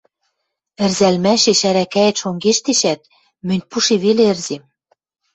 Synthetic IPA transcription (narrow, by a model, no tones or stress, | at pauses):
ɘ̆rzælmæʃeʃæɾækæet̪ʃoŋɡeʃt̪eʃæt̪̚ | mɘ̆nʲpuʃeβeleɘ̆rzem